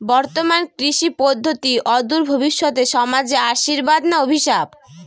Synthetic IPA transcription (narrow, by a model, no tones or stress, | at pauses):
bɔɾt̪omankɾiʃipod̪ʱːot̪iʔɔd̪uɾbʱobiʃːot̪eʃɔmad͡ʑeaʃiɾbad̪naobʱiʃab